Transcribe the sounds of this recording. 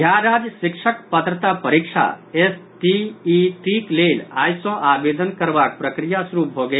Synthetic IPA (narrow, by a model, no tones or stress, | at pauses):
jaɾad͡ʒjəsikt͡ʃʰəkpət̪ɾət̪apəɾik̚t͡ʃʰa̰esʈiːʈiklela̰jsɔ̃ʔabed̪ənkəɾbak̚pɾəkɾijasuɾup̚bʱoɡe